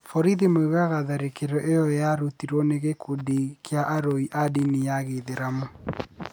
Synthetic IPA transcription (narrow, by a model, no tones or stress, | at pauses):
fɔɾiðimoewaɣaðaɾekeɾɔʔejɔjaɾutiɾwɔneɣekʰodikʰeaʔaɾoiʔadinijaɣeðeɾamo